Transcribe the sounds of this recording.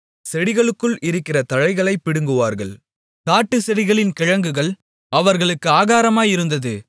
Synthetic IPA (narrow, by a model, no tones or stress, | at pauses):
sɛɽɪɣɐɭɯkːɯɭʔɪɾɯkːɪrɐt̪ɐɻɐɪɣɐɭɐɪpːɪɽɯŋɡɯʋaːɾɣɐɭ | kaːʈːɯsɛɽɪɣɐɭɪnkɪɻɐŋɡɯɣɐɭ | ɐʋɐɾɣɐɭɯkːɯaːɣaːɾɐmaːjɪɾɯnd̪ɐðɯ